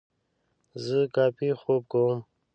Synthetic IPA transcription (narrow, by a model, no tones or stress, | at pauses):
zəkɑːpixob̚kowm